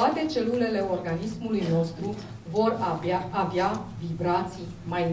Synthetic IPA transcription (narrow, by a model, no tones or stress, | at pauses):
at̪e̞t͡ʃe̞lule̞le̞o̞rɡanismulujno̞st̪ɾu | vo̞rː | vjavibɾat̪si | maj